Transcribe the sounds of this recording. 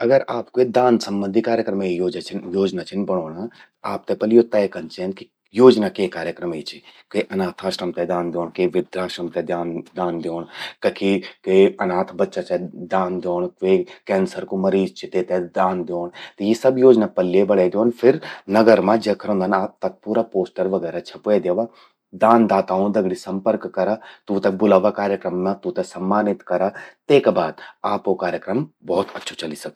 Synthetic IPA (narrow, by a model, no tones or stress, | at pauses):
ɐɡəɾaːpked̪aːnsɐ̃mbə̃nd̪ʱikaːɾjəkɾɐmeijoːd͡ʒat͡ʃʰnjoːd͡ʒnat͡ʃʰinbɐɽ̃oːɽa | aːp̚t̪epɐlijot̪ɛjkɐnt͡ʃenki | joːd͡ʒnakeːkaːɾjəkɾəməit͡ʃʰikiʔɐnaːt̪ʰaːʃɾɐmt̪ɛd̪aːnd̪joːɳkeʋɪd̪ɾaːʃɾɐmt̪ɛd̪jaːnd̪aːnd̪joːɳkɐkʰikeɐnaːt̪ʰbɐtːʃat͡ʃɛd̪aːnd̪joːɳkeːkɛːnsəɾkomɐɾiːzt͡ʃʰit̪et̪ɛd̪aːnd̪joːɳt̪ejisɐbjoːd͡ʒnapɐlːiebɐɽed̪joːnpʰɪɾnɐɡəɾmãd͡ʒekʰəɾõːnd̪aːnaːp̚t̪ɐk̚puːɾapoːsʈəɾʋɐɡɛːɾat͡ʃʰɛpoed̪jeːʋa | d̪aːnd̪aːt̪aːond̪ɐɡɽisɐ̃mpəɾkːɐɾat̪uːt̪ɐbʊlaːʋakaːɾjəkɾəmnãt̪ut̪ɛsɐmːaːnɪt̪kɐɾat̪eːkbaːd̪aːpokaːɾjəkɾəmbɔːt̪ɐtːʃʰot͡ʃɐlisɐk̪̚ː